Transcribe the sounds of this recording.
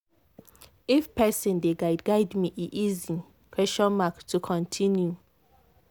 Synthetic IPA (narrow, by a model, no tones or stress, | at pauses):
ifpɛsɔ̃ndeɡaɪdɡaɪdmiʔiʔizi | kʰɹɛsʃɔ̃nmaktʰːukʰɔ̃ntʰĩnju